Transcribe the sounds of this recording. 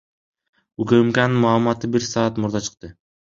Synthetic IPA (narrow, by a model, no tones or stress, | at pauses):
ukɵmkanɯnmɑːlˠmɑt̪ɯbiɾsɑɑt̪muɾd̪ɑt͡ʃʰɯ̥q̚t̪ɯ